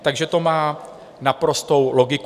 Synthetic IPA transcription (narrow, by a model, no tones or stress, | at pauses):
t̪aɡʒɛt̪o̞maː | napɾo̞st̪o̞wlo̞ɡɪk